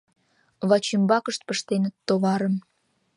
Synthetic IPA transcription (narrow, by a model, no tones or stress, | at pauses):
βɑt͡ɕimbɑkəʃt̪̚pəʃt̪enət̪ːoβɑɾə̆m